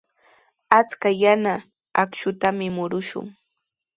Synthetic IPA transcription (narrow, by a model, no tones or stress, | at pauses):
at͡skajana | akʃʊt̪amɪmʊɾʊʃʊ̰ŋ